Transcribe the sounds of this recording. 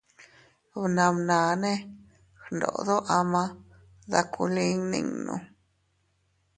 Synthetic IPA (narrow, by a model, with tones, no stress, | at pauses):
βnã˧mnãː˨nẽ˦ | xnd̪o̰˨ʔðo˦ʔa˧mã˧ | ða˧kʰu˧li˧˦ŋnḭ̃˧ŋnṵ̃˧